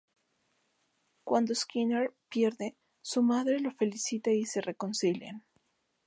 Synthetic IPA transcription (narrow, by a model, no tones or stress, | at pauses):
kwand̪oskineɾpje̞ɾðe̞ | sumaðɾelo̞fe̞lisit̪aise̞re̞ko̞nsilja̰n